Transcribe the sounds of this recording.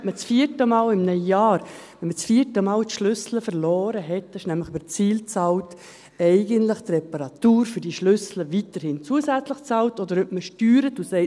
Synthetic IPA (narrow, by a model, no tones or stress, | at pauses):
mət͡sfiːəɾtəmɑːlɪmnœjaːɾʋɛnmət͡sfiːətəmɑːlt̪ʃlʏsləfəɾlɔːɾəɦɛtɪʃnæmləχbəɾt͡siːlt͡sɑlt | ɛɪɡəntləχt̪rɛpɑɾɑtuːɾfʏɾdiʃlʏsləvitəɾhɪnt͡suəsæt͡sləχt͡sɑwtɔd̪əɾøp̚məʃtyːɾətusɛɪ